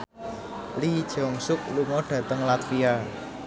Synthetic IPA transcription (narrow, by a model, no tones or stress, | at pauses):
lid̥ʒ̥ɔ̤ŋsʊk̚luŋɔɖ̥ä̤t̪əŋlat̪fia